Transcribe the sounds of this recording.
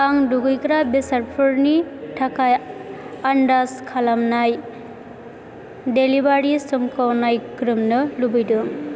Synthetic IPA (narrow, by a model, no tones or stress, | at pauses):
aŋduɡɯjkɾabesaɾpʰɯɾnitʰakʰajandaskʰalamnaj | delibaɾisɯmkʰawnajkɾɯmnɯlubɯjdɯŋ